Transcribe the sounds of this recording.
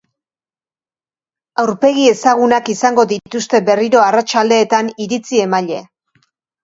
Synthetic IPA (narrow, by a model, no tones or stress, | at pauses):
awɾpe̞ɣ̞ie̞saɣunakisaŋɡo̞ðit̪ust̪e̞be̞riɾo̞arat͡ʃald̪e̞ːt̪aniɾit͡sie̞maʎe̞